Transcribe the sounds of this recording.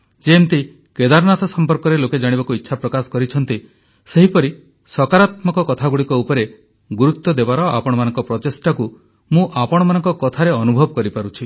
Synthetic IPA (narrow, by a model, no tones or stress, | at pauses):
d͡ʒemt̪i | ked̪aɾnat̪ʰɔsɔmpɔɾkɔɾeloked͡ʒaɽ̃ibakuitːʃʰapɾɔkasɔ̥kɔɾit͡ʃʰɔn̪t̪i | seɦipɔɾi | sɔkaɾat̪mɔkɔkɔt̪ʰaɡuɽikɔupɔɾe | ɡuɾukt̪ːɔd̪ebaɾɔa̰pɔɽ̃ɔmanɔŋkɔpɾɔt̪esʈaku | mũʔapɔɽ̃ɔmanɔŋkɔkɔt̪ʰaɾeɔnubʱɔbɔkɔɾipaɾut͡ʃʰi